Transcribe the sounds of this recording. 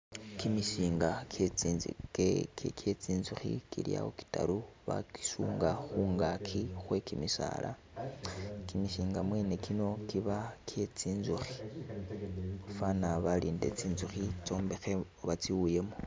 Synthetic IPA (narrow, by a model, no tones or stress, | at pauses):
kimiʃiːŋɡakjet͡sikekekʰe̞t͡siːnzuxḭkḭlja̰oki̥ta̰ɾuβa̰ki̥suːŋɡaxuːŋɡakʰixwe̞kimisa̰lʔa̰ | kimiʃiːŋɡamwe̞ːne̞kino̞kiβakʰje̞t͡siːnzuxi̥ | fanaβaliːnde̞̰t͡siːnzuxit͡ʃo̞ːmbexe | βat͡siwuje̞mo